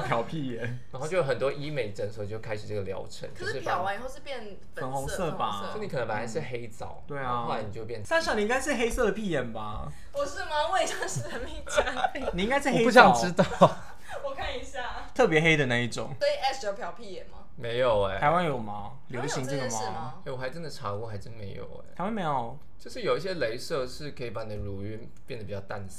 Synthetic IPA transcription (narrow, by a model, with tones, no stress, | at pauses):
pʰjɑ˨˥ʊpʰi˥˩jɛ˨˩˦nɻa˨˩ŋxt͡ɕo˥˧˩jo˥ə˨˩nt̪wɔ˦ʔi˥me˨˩ɪʈ͡ʂə˧˦nsə˨˩t͡ɕjo˥˩ʊkʰa˥ɪʂɻ̩˨˩ʈ͡ʂə˥˩ɡə˨˩ljɑ̰˧˥ʊʈ͡ʂʰə̰˧˦nt͡ɕʰo˩˧˩ʂɻ̩˥˩pjɑ˨˥ʊwa˧˦ni˨˩xo˥˧ʊʂ̬ɻ̩˥˧pjɛ˥˩n | fə˨˦nxʊ˧˥ŋsɤ˥˧˩ba˩˥˩jni˨˥kʰə˨˩nə˧˦˥pa˨˩n˩a˧˥nʂɻ̩˥˩xe˥ɪt͡sɑ̰˨˩˦ʊt̪we˥˩ɪa˩o˥˩a˧˦ni˨t͡ɕo˥˧wpjɛ˥˧˩sɑ˥˧ŋɕɑ˥˩ŋni˨˩ĩ˥ŋɡa˥ɪʂɻ̩˥˩xe˥ɪsɤ˥˩d̪ə˩pʰi˥˩jɛ˨˩nba˨ | pu˧˥ʂ̩˥˩ma˨we˥˧ɪo˥ʂ̩˥˩ə˧mi˧˩t͡ɕa˥ | ni˨ĩ˥ŋɡa˥ɪʂɻ̩˥˩xe˥u˥˧ɕjɑ˥˧ŋ˨ʈ͡ʂɻ̩˦˥t̪ɑ˥˩ | wɔ˨˩kʰa˥˩ni˧˦ɕja˥˩ | t̪ʰɤ˥˩p̬jɛ˧˦˥xe˥ɪd̪ə˨na˥˧i˥˩ʈ͡ʂʊ̰˨˩˦ŋsɔ˧˥i˨˩ɛ˥˩sjo˥˩ʊpʰjɑ˧˥ʊpʰi˥˩jɛ˨˩nmɐ̰˨˦me˧˥ɪjo˨˩ʊe˦a˧˥ɪwa˥njo˨˩mɐ˨˦ | ljo˨˩˦də˧ɕi˧˥n˧t͡ɕi˥˩ŋdə˨ma˥˨˩e˥˩wɔ˨˩xa˧˥ɪʈ͡ʂə˦nd̪ə˨ʈ͡ʂʰa˧˥kwɔ˥˧xa˧˥ɪʈ͡ʂə˥me˧˥ɪjo̰˨˩ʊ̰˦˧˥wa˥nme˧˥ɪjo˨˩ʊ | t͡ɕjo˥˧ʊʂɻ̩˥˩jo˨˩ʊi˥˩ɕjɛ˥le˧˥ɪsɤ˥˧ʂɻ̩˥˩kʰɤ˧˥i˨˩pa˧˥ni˨˩ə˦ɻu˨˩y˧˥ | pjd̪ə˩pi˨˩t͡ɕɑ˥˧ʊt̪a˥˩n˥